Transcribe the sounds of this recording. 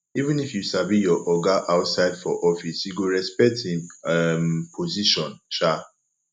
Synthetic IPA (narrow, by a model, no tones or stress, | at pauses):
ivĩnifjusabijɔʔɔɡaʔaʊtsaɪdfɔʔɔfisjuɡoɹɛspɛk̚thĩmɛmpʰoziʃɔ̃nʃa